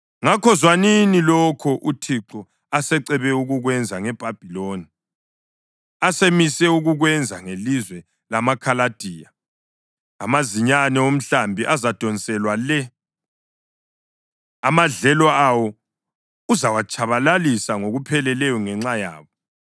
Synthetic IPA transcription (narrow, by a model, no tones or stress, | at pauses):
ŋakʰɔzwaninilɔkʰɔʔutʰiǁɔ | asɛǀɛβɛuɣuɣwɛnd͡zʱaŋɛb̥ʱab̥ʱiloːni | asemisɛuɣuɣwɛnd͡zʱaŋelizwɛ | lamakʰalad̥ʱiːja̰ː | maziɲanɛom̩ɬambʱiʔazad̥ʱɔnt͡sʼɛlwalɛ | amaɮɛlɔawɔ | uzawat͡ʃʼʰaβalalisaŋoɣupʰɛlɛlɛjɔŋɛŋ͡ǁaja̰ːβɔ